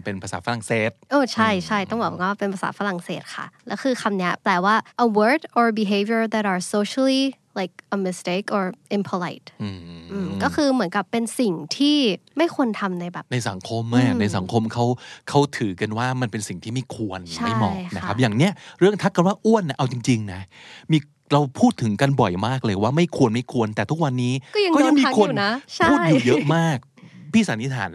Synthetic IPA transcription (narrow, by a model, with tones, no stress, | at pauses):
pe˧npʰa˧saː˩˦fa˧ɾa˨˩ŋseː˨˩t̪̚ʔoː˧˩t͡ɕʰa˥˩jt͡ɕʰa˥˩jt̪ɔ˥˩ŋbɔː˨˩kwaː˥pe˧npʰaː˧sa̰ː˩˦fa˧ɾa˨˩ŋseː˨˩t̪̚kʰa̰˥˩lɛː˦˥wkʰɯː˧kʰa˧mni˦˥ɐplɛː˧waː˥˩ʔə˧wɜː˧˥dʔɔː˧bi˨˧ɦeː˧vijə˧d̪æ˨˧t̚ʔaː˨˩so˧˦ɕa˧li˥ | la˧˩jk̚ʔə˧mi˧˩st̪e˦˥kʔɔː˨˩ɹʔi˧mpʰo˧la̰˨˧˩jt̪̚ʔɯ˧˩ʔɯː˧˩mkɔː˥˩kʰɯː˧mɯ˩˦ənka˨˩pːe˧nsi˨˩ŋt̪ʰiː˥˩ma˥˩jkʰu˧ənt̪ʰa˧mna˧jbɛː˨˩pna˧jsa˩˦ŋkʰo˧mːa˧˩na˧jsa̰˨˩˦ŋkʰo˧mkʰa˦˥wkʰa˦˥wt̪ʰɯː˩˦ka˧nwaː˥˩ma˧npe˧nsi˨˩ŋt̪ʰiː˥˩ma˥˩jkʰu˧ənt͡ɕma˥˩˥jmɔ̰ː˨˩k̚na˦˥kʰp̚jaː˨˩ŋni˦˥ɐɾɯ˥˩əŋt̪ʰa˦˥k̚kːa˧nwaː˥˩ʔu˥˩ənːa˦˥ʔa˧wt͡ɕi˧ŋt͡ɕi˧ŋna˦˥miː˧ | ɾa˧wpʰuː˥˩t̪ʰːɯ˩˦ŋka˧nbɔ˨˩jmaː˥˩k̚lɤː˧jwaː˥˩ma˥˩jkʰu˧ənma˥˩jkʰu˧ənt̪ɛː˨˩t̪ʰu˦˥k̚wa˧nːiː˦˥kɔ˥˩ja˧ɔ˥˩ja˧ŋmiː˧˦˥kʰo˧˨na˦˥t͡ɕʰpʰuː˥˩juː˨˩jɤ˦˥ʔmaː˥˩k̚ | pʰiː˥˩saː˩˦ni˦˥t̪ʰa̰ː˩˦n